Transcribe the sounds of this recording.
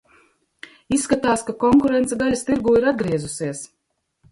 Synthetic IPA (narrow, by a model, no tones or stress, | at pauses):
isːkat̪aːskakɔŋkuɾɛnt̪sɛɡalʲast̪iɾɡuːiɾad̪̚ɡɾiɛzusiɛs